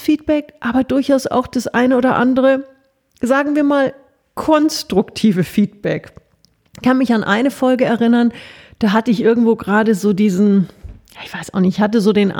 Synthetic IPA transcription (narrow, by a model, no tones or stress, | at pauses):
fiːt̚b̥ɛkʔaːbɐdʊɐçaʊsʔa̰ʊxd̥asʔaɪnəoːdɐʔandəʁə | zaːɡŋ̩viːɐmaːl | kʰɔnstʁ̥ʊktʰiːvəfiːt̚b̥ɛk | kʰanmɪçanʔaɪnəfɔlɡəɛɐʁɪnɐnd̥aːɦatəɪçʔɪɐɡŋ̩tv̥oːɡʁaːdəzoːdiːzn̩jaːɪçv̥aɪsʔaʊxnɪçhat̬əzoːdeːnʔ